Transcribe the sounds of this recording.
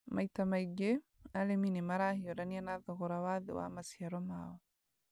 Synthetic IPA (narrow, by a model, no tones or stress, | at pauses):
mʔajtamajɡe | aleminimaɾahijɔɾanianaðɔɣɔɾawaːðɛ̰wa̰masiaɾɔmaːwɔ